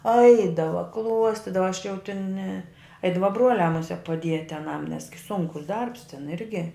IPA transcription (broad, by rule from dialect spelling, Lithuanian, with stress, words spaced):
ˈɐɪdɐʋɐ ˈklˠuɔsʲtʲɪdɐʋɐ ɐʃ jɛʊ tʲɪn nʲɛ ˈɐɪdɐʋɐ ˈbruɔlʲæː mʊˈsʲiɛk pɐˈdʲiɛtʲɪ ɐˈnɐm nʲɛs ɡʲɪ ˈsʊŋkʊs ˈdɐrps tʲɪn ˈɪrʲɡʲɪ